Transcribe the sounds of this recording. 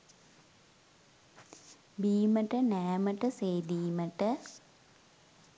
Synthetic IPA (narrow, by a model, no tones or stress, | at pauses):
biːmɐʈːɐneːmɐʈːɐseːd̪iːmɐʈːɐ